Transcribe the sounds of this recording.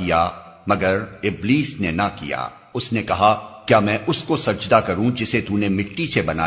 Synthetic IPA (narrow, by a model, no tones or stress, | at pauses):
ija | mɐɡəɾɪbliːsnenɐkḭja̰ː | ʊsnekɐɦakjaːmɛ̃ːʔʊskosɐɾd͡ʒd̪akɐɾũd͡ʒɪset̪unemɪʈːisebɐna̰ː